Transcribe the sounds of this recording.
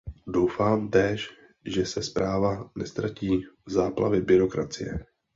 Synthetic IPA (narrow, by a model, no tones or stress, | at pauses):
do̞wfaːmt̪ɛːʃ | ʒɛsɛspɾaːvanɛst̪ɾaciːzaːpla̰vɪbɪɾo̞kɾat͡sɪjɛ̰